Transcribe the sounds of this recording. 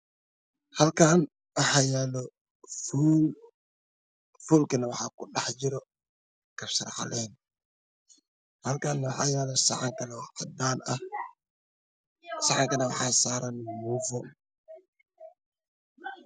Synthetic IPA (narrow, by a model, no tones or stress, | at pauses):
hɐlkʰaːn | wɑħaːjɛːlɔ | f | fulkɐnɐwɑħɑːkʰʊɗɑħd͡ʒɪɾɔ | kʰɐfsɐrħa̰lɛːn | hɐlkʰaːnːɐwɑħaːjɛːlɔsɐ̰ʕɑŋkʰɐnɐwɑd̪aːnɐh | sɑʕɑŋkɐnɐwɑħɑːsaːɾɐnmuːfɔ